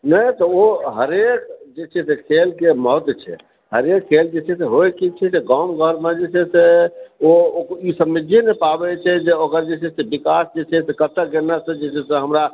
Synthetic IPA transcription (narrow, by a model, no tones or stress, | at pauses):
nəjt̪ɔoɦəɾekd͡ʒet͡ʃʰɛsekʰelkemɔt̪t͡ʃʰɛ̰ | ɦəɾekʰːeld͡ʒet͡ʃʰɛseɦojkit͡ʃʰɛseɡamɡʱəɾmed͡ʒet͡ʃʰɛseookisəmːid͡ʒenepabɛt͡ʃʰɛd͡ʒeokəɾd͡ʒet͡ʃʰɛsebikasd͡ʒet͡ʃʰɛsekət̪ːək̚ɡenːasə̃d͡ʒet͡ʃʰɛseɦəmɾa